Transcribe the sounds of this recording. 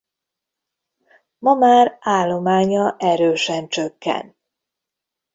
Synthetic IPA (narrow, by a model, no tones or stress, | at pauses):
mɒmaːraːlːo̞maːɲɒʔɛɾøːʃɛnt͡ʃøkːɛ̰nt̪